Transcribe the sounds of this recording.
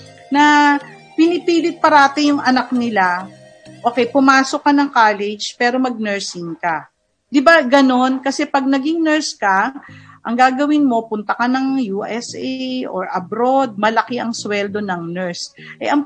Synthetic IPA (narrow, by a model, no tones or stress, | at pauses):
nɐ | pɪnɪpiːlɪt̪̚pɐɾaːt̪ɪnjʊŋʔɐnak̚nɪla | ʔoːkɛjpʊmaːso̞kːɐnɐŋkaːlɛd͡ʒpɛːɾo̞mɐɡ̚nɛɹsɪŋkɐ | d̪ɪbaɡɐno̞nkɐsɛpɐɡ̚nɐɡɪŋnɛɹskɐʔɐŋɡaːɡɐwɪnmo̞pʊnt̪ɐkɐnɐŋjuːʔɛsʔɛjʔoɹʔɐbɾo̞d̪̚mɐlɐkɪʔɐŋswɛld̪o̞nɐŋnɛɹs | ʔɛɐŋ